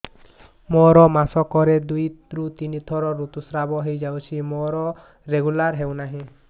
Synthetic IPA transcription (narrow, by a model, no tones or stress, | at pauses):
mɔɾɔmasɔkɔɾed̪ujt̪ɾut̪init̪ʰɔɾɔɾut̪usɾabɔɦejd͡ʒawt͡ʃʰimɔɾɔ | ɾeɡulaɾɦewnaɦĩ